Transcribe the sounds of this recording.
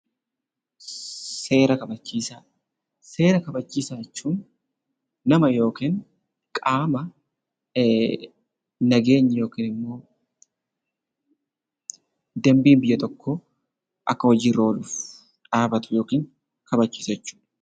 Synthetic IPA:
se̞ːɾɐkɐbɐt͡ʃːiːsaː | se̞ːɾɐkɐbɐt͡ʃːiːsaːjɛt͡ʃːuːnː | ɐmɐjo̞ːkiːn | kʼaːmɐ | nɐɡe̞ːɲːɐjo̞ːkiːnɪmːo̞ː | d̪ɛmbiːmbɪjːɐt̪ɔkːɔ | ʔɐkːɐwɐd͡ʒiːɾo̞ːluːf | ᶑaːbɐt̪ʊ̥jo̞ːkiːŋ | kɐbɐt͡ʃːiːsɐjɛt͡ʃːu̥ːᶑɐ̥

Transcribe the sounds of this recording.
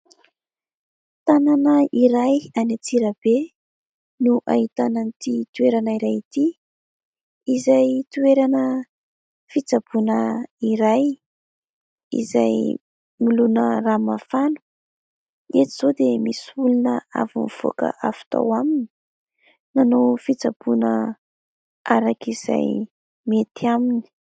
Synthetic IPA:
t̪ananəiɾajanat͡siɾəb̥e | nuʔa̰ɦit̪anant̪it̪ueɾanəiɾajit̪i | izajt̪ueɾanə | fit͡sab̥unəiɾaj | ḭzaj | milunəramafanu̥ | et̪iz̥od̪emisulunəa̰vunv̥o̰kə̰ʔafi̥t̪a̰wamini̥ | nanofit͡sabunə | aɾakiz̥a̰j | met̪iamini̥

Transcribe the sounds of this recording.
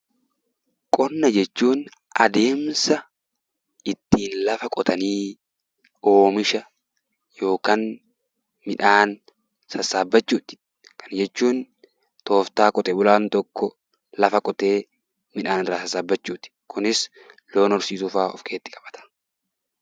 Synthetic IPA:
kʼɔnːɐd͡ʒɛt͡ʃːuːn | ʔɐ̰d̪e̞ːmsɐ | ɪt̪ːiːnlɐfɐkʼɔt̪ʰɐniː | o̞ːmɪʃɐ | jo̞ːkaːn | mɪᶑaːn | sɐsaːbːɐt͡ʃːuːt̪ɪ̥ | kʰɐnd͡ʒɛt͡ʃːuːn | t̪o̞ːft̪aːkʼɔt̪ʼɛːbʊlaːnt̪ɔkːɔ | lɐfɐkʼɔt̪e̞ː | mɪᶑaːnɪrːaːsɐsaːbːɐt͡ʃːuːt̪ɪ̥kʰʊnɪs | lo̞ːnɔɾsiːt̪uːfaːʔɔ̰fkʰe̞ːt̪ːɪ̥kʼɐ̥b̥ɐ̥t̪ɐ̥

